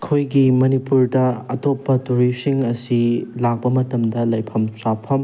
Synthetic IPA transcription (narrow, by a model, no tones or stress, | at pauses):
kʰojɡimɐnipuɾdɐɐtopːɐtuɾisiŋɐsilak̚pɐmɐtɐmdɐlɐjpʰɐmsapʰɐm